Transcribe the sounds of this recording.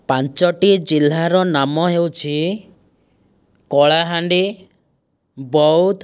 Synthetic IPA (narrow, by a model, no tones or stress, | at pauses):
pant͡ʃɔʈid͡ʒilːaɾɔnamɔɦewt͡ʃʰi | kɔɭaɦaɳɖi | bɔut̪ʰ